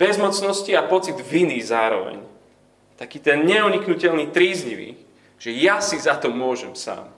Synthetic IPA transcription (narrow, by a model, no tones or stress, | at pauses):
b̥ɛzmɔt͡snɔsciapɔt͡sid̪ʋiniːzaːɾɔ̰ʋɛ̰ɲ | t̪akiːt̪ɛnɲɛuɲiknucɛʎniːt̪ɾiːzɲiʋḭː | ʒ̥ɛjasizat̪ɔmʊɔʒɛmsa̰ːm